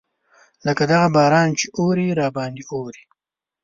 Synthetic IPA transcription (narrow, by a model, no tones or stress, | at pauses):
ləkad̪aɣabɑːɾɑːnt͡ʃeoɾiɾɑːbɑːnd̪ioːɾi̥